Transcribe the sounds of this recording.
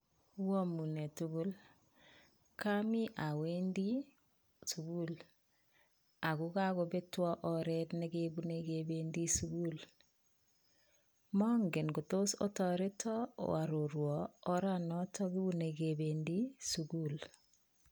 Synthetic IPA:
wɔ˦mu˨ne˨tu˦ɡu˦l | ka˦mi˦ʔa˨we˦ndi˦ | su˨ɡu˦l | a˨ku˦ka˦ko˨be˦twɔ˦ʔɔ˦ɾɛtne˨ɡe˦bu˦ne˨ke˨bendi˦su˦ɡu˦l | mɔ˦ŋɡe˨nko˨to˦so̰˦tɔ˨ɾe˦tʰɔ˦o̰˨a˨ɾo˨ɾwɔː˨˦ɾa˦nɔ˦tʰɔ˦ɡi˦bu˦ne˨ɡe˨be˨ndi˦suɡul

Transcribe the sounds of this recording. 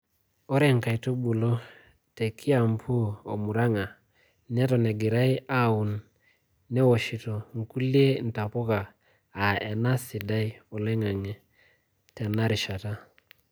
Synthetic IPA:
o˦ɾɛ˦˨ŋka˨i˨to˦bu˨lo˦ | te˨kʰi˦a˨mpʰu˦o˨mu˨ɾa˦ŋa˨ | nɛ˦tɔ˨ne˨ɡi˨ɾa˦ja˦u˨nː | ɛ˦wo˨ʃi˨to˨ŋ˨ku˦li˦e˦n̩˨ta˨po˦kaː˨ | e˨na˦si˨da˦jo˨lɛ˦ŋa˨ŋe˨ | tɛ˨na˦ɾi˨ʃa˨ta˦

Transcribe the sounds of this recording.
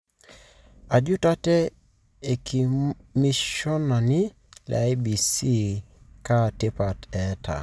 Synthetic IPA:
a˨d͡ʒu˦ta˦tɛ˦ | e˨kʰi˨mi˦ʃɔ˦na˨ni˦ | la̰˨jbi˨si˦ | ka˦˨te˦pa˨tɛ˨˦ta̰˨

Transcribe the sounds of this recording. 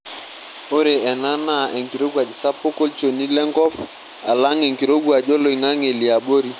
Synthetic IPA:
o˦ɾe˨ɛ˨na˦na˦˨e˨ŋki˨ɾo˦ɡwa˨d͡ʒi˨sa˦pːo˦ko˦lt͡ʃo˨ni˦lɛ˦ŋkɔ˦p | a˨la˦ŋe˨ŋki˨ɾo˦ɡu˦a˨d͡ʒɔ˦lo˨i˨ŋa˦ŋe˨li˨a˨bo˦ɾi˦

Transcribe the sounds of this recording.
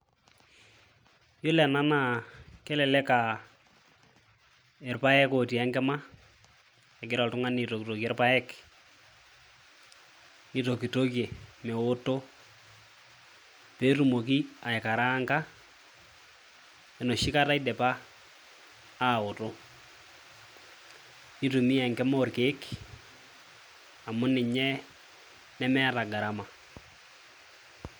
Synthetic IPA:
jo˦lɛ˨na˦na˨kɛ˦lɛ˨lɛ˦ka˨ | ɛ˨ɾpa˦ɛ˦ko˨ti˨ɛ˦ŋɡɛ˦ma˦ | ɛ˨kɪ˦ɾɔ˨ltʊ˦ŋa˦ni˨to˨ki˨to˨kɛ˦ɾpa˦ɛ˦k | ni˨to˨ki˨to˦kje˨mɛ˨o˦tːo˦ | pe˦tu˨mo˨ki˦a˨ɛ˨ka˨ɾa˦ŋka˦ | e˨no˨ʃi˦ka˦ta˦i˦dɛ˨pa˦˨ | o˨to˦ | ni˦tu˨mi˦ɛ˨ŋkɛ˦mɔ˦˨ɾke˦k | a˨mʊ˦nɪ˨ɲɛ˦ | nɛ˦mɛ˦a˦ɾa˨ɡa˨ɾa˨ma˨

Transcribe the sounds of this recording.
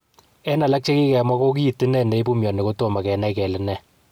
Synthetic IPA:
ɛ˦na˨la˦k̚t͡ʃe˦ki˦kɛ˨mɔ˦ko˦k̬i˦˨ti˦nɛ˦ne˦i˦pu˦mjɔ˨ne˨ko˦to˦ma˨kɛ˨na˦kɛ˨lɪ˨nɛ˦˨

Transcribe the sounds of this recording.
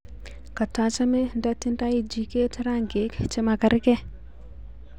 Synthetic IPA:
ka˨tːat͡ʃa˦me˦ndatːi˦nta˦ji˨d͡ʒike˦ti˦ɾa˦ŋɡekt͡ʃe˦ma˨kaɾi˦kɛ˦

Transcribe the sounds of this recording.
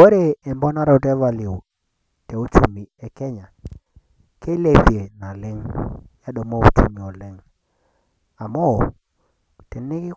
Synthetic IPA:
o˦ɾeː˦˨mbɔ˦na˦ɾa˨u˨tɛ˦va˨lɪ˨ | te˨o˦t͡ʃu˨mi˨e˨kɛ˦ɲa˨ | kʰe˦le˦˨pi˨e˨na˨lɪ˦ŋja˦dɔ˨mo˦o̰˦t͡ʃṵ˨mi˨ɔ˨lɪ˦ŋ | a˨mɔ˦˨ | tɛ˨nɪ˦kɪ˦

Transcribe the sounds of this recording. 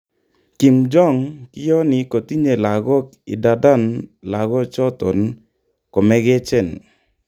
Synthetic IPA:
ki˨md͡ʒɔ˦˨ŋkɪ˦jɔ˦nɪ˨ko˨ti˦ɲe˨la˨ɡɔ˦kḭ˨da˧da˦˨nla˨ɡɔ˦t͡ʃɔ˦tɔ̰˨n | kɔ˨mɛ˦ɡɛ˦t͡ʃɛ˦˨n

